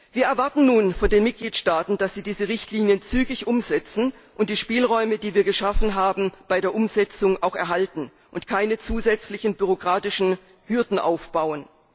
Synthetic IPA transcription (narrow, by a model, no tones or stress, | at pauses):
viːɐʔɛɐvaɐtn̩nuːnfɔndeːnmɪt̚ɡ̥liːtʃtaːtn̩d̥asz̥iːdiːzəʁɪçtʰliːnjənt͡syːɡɪçʔʊmzɛt͡sn̩ | ʔʊnt̚d̥iːʃpiːlʁɔʏmədiːviːɐɡəʃafn̩ɦaːbm̩b̥aɪdeːɐʔʊmzɛt͡sʊŋʔaʊxɛ̰ɐɦaltn̩ | ʔʊntkʰaɪnət͡suːzɛt͡slɪçn̩byʁ̞okʁ̥aːtɪʃn̩ | hʏɐdn̩ʔa̰ʊfb̥aʊən